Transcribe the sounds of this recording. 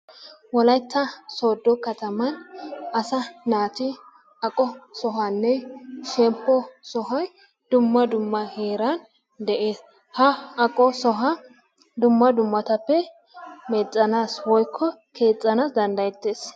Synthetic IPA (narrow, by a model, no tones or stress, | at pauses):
wɔlɐjt̪ːɐsoːd̪ːɔkɐt̪ɐmɐnɐsɐnaːt̪ɪ | ɐkʼɔsɔɦɐnːɛʃɛmpːɔsɔɦɐj | d̪ʊmːɐd̪ʊmːɐheːɾɐn | d̪ɛʔe̞ːs | hɐɐkʼːɔsɔɦɐ | d̪ʊmːɐd̪ʊmːɐt̪ɐpːɛ | mɛt͡sʼːɐnaːswɔjkʰːɔkʰe̞ːt͡sʼːɐnaːsd̪ɐnd̪ɐjɛt̪ːe̞ːs